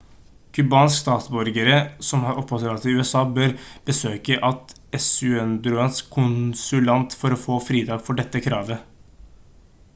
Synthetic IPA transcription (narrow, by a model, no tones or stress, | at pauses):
kʰʉbɑːnskst̪ɑːt̪sbɔɾɡəɾəsɔmhɑːɾɔpːɔt̪ɾt̪ɪʉːɛsɑːbøːɾb̥əsøːkəʔɑt̪ | ɛsʉɛnd̪ɾʊɛnskʰʊnsʉlɑnt̪fɔɾɔfoːfɾiːt̪ʰɑːɡfɔɖɛt̪ːəkʰɾɑːʋə